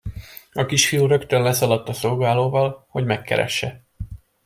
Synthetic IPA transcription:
ɒkiʃfijuɾø̞kt̪ønlɛsɒlɒt̪ːɒso̞lɡaːloːvɒlho̞ɟmɛkːɛ̰ɾɛ̰ʃːɛ

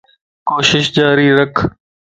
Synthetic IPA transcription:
koːʃɪʃd͡ʒaːɾiːɾəkʰ

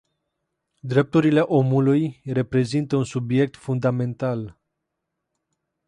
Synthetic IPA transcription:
d̪ɾe̞p̚t̪uɾile̞ʔo̞mulujre̞pɾe̞zint̪əunsubje̞k̚t̪fund̪ame̞nt̪al

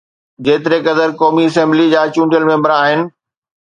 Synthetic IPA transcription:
d͡ʑeːt̪ɪɾekɐd̪əɾkɔːmiɐs̬ɛ̃mblid͡ʑaːt͡ɕũːɳɖiəlmẽːmbəɾaːɦɪnɪ̆

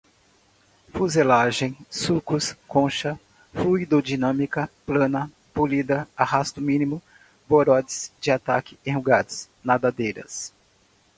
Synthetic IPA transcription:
fuzelaʒẽj̃sukʊskõʃɐ | fluid̪od͡ʒinɐ̃mikɐplɐ̃nɐ | pulid̪ɐaɦast̪ʊmĩnimʊ | boɾɔd͡ʒɪz̥d͡ʒɪat̪akɪẽhuɡad̪ʊs | nad̪ad̪ejɾɐ̰s

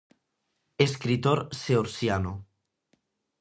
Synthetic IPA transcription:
eskɾit̪oɾseoɾsjano

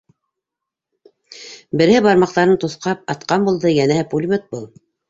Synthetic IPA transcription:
bɘ̆ɾhɘbɑɾmɑq̚t̪ɑɾɤnt̪uθqɑp̚ɑt̪qɑmbulˠd̪ɤjænæhɘpulʲmʲet̪̚bulˠ

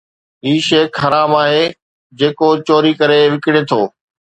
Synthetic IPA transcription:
ɦiːʃeːkʰːɐɾaːbaːɦe | d͡ʑeːkot͡ɕoːɾikɐɾeʋɪkɪɽet̪ʰoː

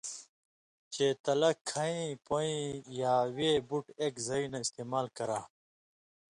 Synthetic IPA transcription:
t͡ɕet̪ɐlɐkʰːɐĩpoĩjaːweːbuʈeːkzɐinɐist̪eːmaːlkɐɾaː

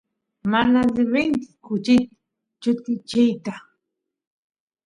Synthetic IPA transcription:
manazɪβɪŋkɪ̥kʊt͡ʃɪt̪ḁ | t͡ʃʊt̪ɪt͡ʃɪjt̪a

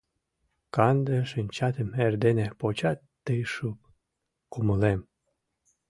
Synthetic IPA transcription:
kɑnd̪ə̆ʃənʲt͡ɕɑt̪ə̆merd̪enepot͡ɕɑt̪ːəjʃup̚ | kuməlem

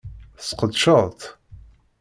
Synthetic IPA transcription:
sqəd̪ʃəʁˤt̪

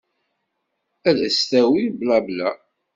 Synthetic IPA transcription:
æðəst̪æwiblæblæ

